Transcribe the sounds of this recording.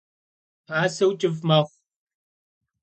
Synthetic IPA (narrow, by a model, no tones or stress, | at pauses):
aːsɐwt͡ʃʼɪvmɐχʷ